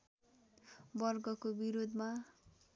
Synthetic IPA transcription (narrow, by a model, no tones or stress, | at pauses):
bʌrɡʌkobiɾod̪ʱma